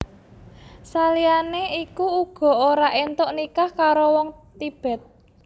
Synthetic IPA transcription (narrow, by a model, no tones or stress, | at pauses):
salianeikuuɡ̥ɔ̤oɾaʔent̪oʔnikahkaɾowɔŋt̪ib̥ɛ̤t̪̚